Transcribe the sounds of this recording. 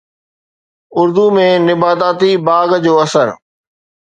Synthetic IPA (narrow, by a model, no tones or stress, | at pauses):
ʊɾd̪umẽnɪbaːd̪aːt̪ibaːɡd͡ʑoːɐsəɾ